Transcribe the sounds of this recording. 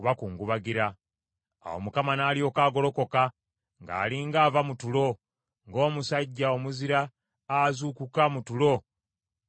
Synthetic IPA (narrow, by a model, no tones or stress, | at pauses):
uβakuːŋɡuβaɡiɾa | a̰wo̰mukamanaːlio̞ːkaːɡo̞lo̞ko̞ka | ŋɡa̰ːliŋɡaːvamutulo̞ | ŋɡo̞ːmusaɟːaomuziɾaː | zukukamutulo̞